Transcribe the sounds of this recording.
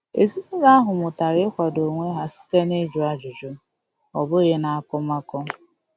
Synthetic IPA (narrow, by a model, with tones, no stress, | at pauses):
e˨zi˦ne˦ɾa˦a˦ɦʊ˨mʊ˨ta˨ɾɪ˦kʷa˨do˨ŋʷe˦ɦa˦si̥˦te˦ne˦d͡ʒu˨a˦d͡ʒʊ˨d͡ʒʊ˦ | ɔ˨bʊ˦ɣe˦na˨a˦kɔ˦ma˦kɔ˦